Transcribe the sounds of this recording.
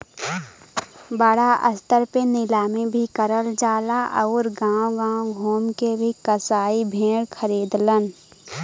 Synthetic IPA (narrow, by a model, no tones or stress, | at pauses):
bəɽaʔə̰st̪əɾpenɪlaːmẽbʱikəɾəld͡ʒaːlaʔɐ̰ːɾɡãːwõɡãːwõɡʱoːmkebʱikəsaːibʱẽːɽkʰəɾiːd̪lən